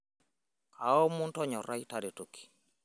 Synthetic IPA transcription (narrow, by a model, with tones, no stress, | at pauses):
ka˨ɔ˦mʊ˦ntɔ˦ɲɔ˨ɾa˦i˦ta˦de˨to˨ki̥˨